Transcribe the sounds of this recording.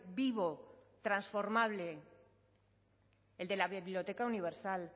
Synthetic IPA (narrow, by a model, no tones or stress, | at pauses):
biβ̞o̞t̪ɾansfo̞ɾmaβ̞le̞ | eld̪e̞laβiβiljo̞t̪e̞kauniβ̞e̞ɾsal